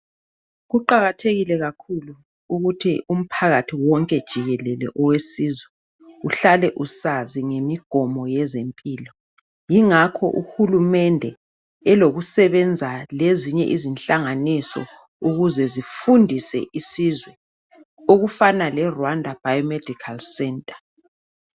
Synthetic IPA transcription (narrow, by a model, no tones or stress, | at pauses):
ɣuǃaɣatʰeɣilɛɣakʰulu | uɣutʰiʔum̩pʰaɣatʰiwɔŋkʼɛd̥ʒ̥ʱiɣɛlɛlɛ̰ʔɔwesizwɛ | uɬalɛʔusaziŋemiɡ̥ʱɔmɔjɛzempʼiːlɔ | jiŋakʰɔ̰ʔuhulumɛndʱɛ | ɛloɣusɛβɛnd͡zʱaleziɲɛ̰ʔizinɬaŋanisɔ̰ | uɣuzɛzifundʱisɛ̰ʔisizwɛ | oɣufanalɛrwandʱab̥ʱajɔmɛd̥ʱikʰalsɛntʼḁ